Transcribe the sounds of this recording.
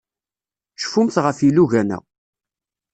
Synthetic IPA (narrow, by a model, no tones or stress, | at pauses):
ʃə̥fumθʁəfilːuʝænæ̰